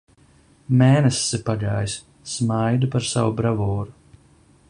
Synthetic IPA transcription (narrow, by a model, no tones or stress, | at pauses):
mɛːnɛsːɨpaɡaːjsː | majd̪upaɾsa̰wubɾavɔːɾu